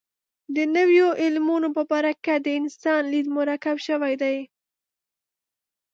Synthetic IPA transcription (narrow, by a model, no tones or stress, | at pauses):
d̪ənəwjoʔɪlmunopəbaɾakad̪əɪnsɑnlid̪mʊɾakabʃəwajd̪aj